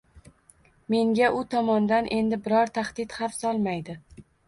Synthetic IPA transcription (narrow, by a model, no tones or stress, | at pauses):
me̞ŋɡʲaʔʊt̪ʰɒmɒnd̪anʔe̞nd̪ɪbɪɾɒɾt̪ʰahd̪̥ɪt̪hafsɒlˠmajd̪ɪ